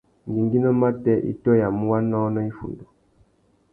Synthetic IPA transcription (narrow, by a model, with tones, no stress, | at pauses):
ŋ˨ɡi˨ŋɡi˦nɔ˦ma˦tɛ˦ʔḭ˦tɔ˦ja˨mu˦wa˦nɔ˦nɔ˦i˦fṵ˨ndu˨